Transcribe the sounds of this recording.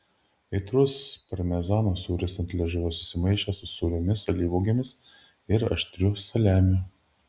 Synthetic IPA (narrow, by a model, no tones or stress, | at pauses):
ɛɪt̪ɾʊspɐɾmʲɛzɑːnoːsuːɾʲɪsɐnt̪ʲlʲɛʒʲʊʋosʊ̥sʲɪmɐɪʃʲɛsʊsuːlʲomʲɪsɐlʲiːʋoːɡʲemʲɪs | ɪɾɐ̰ʃʲt̪ʲɾʲʊsɐlʲæːmʲʊ